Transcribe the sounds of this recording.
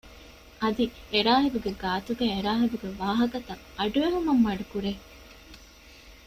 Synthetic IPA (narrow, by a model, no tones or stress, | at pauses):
ɐd̪ieɾaːɦibuɡeɡaːt̪uɡæːeɾaːɦibuɡeʋaːɦɐkɐt̪ɐ | ɐɖuʋeɦumɐmːɐɖukuɾe